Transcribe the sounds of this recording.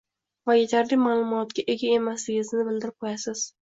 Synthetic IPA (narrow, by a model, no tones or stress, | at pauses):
vajet̪ʰaɾlɪmaːlˠʊmɒt̪kʲaʔe̞ɡʲae̞maslɪɡʲɪznɪbɪld̪ɪɾɪp̚qʰojasɪz̥